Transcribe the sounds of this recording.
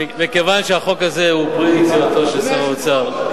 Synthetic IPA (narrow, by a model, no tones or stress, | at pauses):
mikevanʃeaχo̞kazeupʁit͡sivat̪oʃesaʁoot͡saʁ